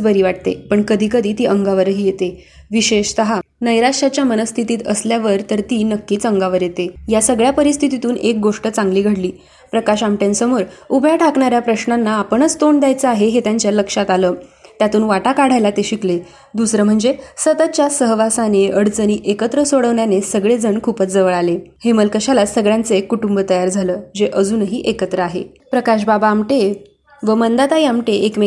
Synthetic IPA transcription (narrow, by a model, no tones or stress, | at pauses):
bəɾiːʋaʈ̚t̪ḛpəɳkəd̪ʱiːkəd̪ʱiːt̪iːʔəŋɡaʋəɾɦiːjet̪e | ʋiɕeɕt̪əɦanəjɾaʂat͡ɕjamənəst̪ʰit̪iːt̪ə̰sljaʋəɾt̪əɾt̪iːnəkːiːt͡səŋɡaʋəɾjet̪ejasəɡɭjapəɾist̪ʰit̪it̪uːnek̚ɡoʂʈət͡sãŋɡliːɡʱəɽliː | pɾəkaɕamʈjensəmoɾubʱjaʈʰakɳaɾjapɾəɕɳanːaːpəɳət͡st̪oɳd̪jajt͡səaɦeɦet̪jaɲt͡ɕjaləkʂat̪aləːt̪jat̪uːnʋaʈakaɽ̤ajlat̪eɕikle | d̪usɾəm̤əɳd͡zesət̪ət̪̚t͡ɕjasəɦʋasaneəɽt͡səniːʔekət̪ɾəsoɽəʋɳjanesəɡɭed͡zəɳkʰupət͡sd͡zəʋəɭaleheməlkəɕalasəɡɭjãnt͡sekːuʈumbət̪əjaɾd͡zʱaləːd͡ʑeʔəd͡zuːnəɦiːʔekət̪ɾəaɦḛ | pɾəkaɕbabaːmʈe | ʋəmənd̪at̪aiamʈeʔekme